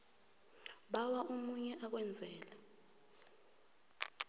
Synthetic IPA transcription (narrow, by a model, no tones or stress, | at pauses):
ɓawaʔumuɲɛʔak̬wɛnd͡zʱɛːla